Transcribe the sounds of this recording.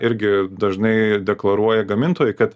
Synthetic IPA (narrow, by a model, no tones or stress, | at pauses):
ɪɾʲɡʲɪd̪ɐʒnɐɪd̪ʲɛklˠɐɾuɔjɛɡɐmʲɪnt̪oːjɛɪkɐt̪